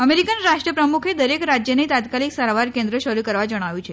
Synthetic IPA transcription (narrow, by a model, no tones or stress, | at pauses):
əmeɾikənɾaʂʈɾəpɾəmukʰed̪əɾekɾad͡ʑjənit̪at̪kaliːksaɾʋaɾkẽnd̪ɾəɕəɾuːkəɾʋad͡ʑəɽ̃aʋut͡ɕʰe